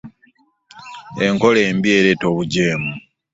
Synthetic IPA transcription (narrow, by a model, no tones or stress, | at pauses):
eŋko̞leːmbie̞ɾeto̞βuɟeːmu